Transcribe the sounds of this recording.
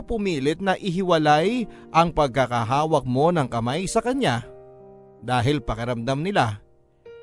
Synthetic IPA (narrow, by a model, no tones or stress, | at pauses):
pʊmiːlɪt̪̚nɐʔɪɦɪwɐlaj | ʔɐŋpɐɡ̚hakaɦaːwɐk̚mo̞nɐŋkɐmajsɐkɐɲa | d̪aːɦɪlpɐkɐɾɐmd̪amnɪla